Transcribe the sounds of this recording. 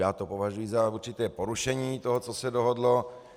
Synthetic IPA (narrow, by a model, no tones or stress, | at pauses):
jaːt̪opovaʒujizauɾt͡ʃɪt̪ɛːpoɾuʃɛɲiːt̪oɦɔt͡sosɛdoɦodlo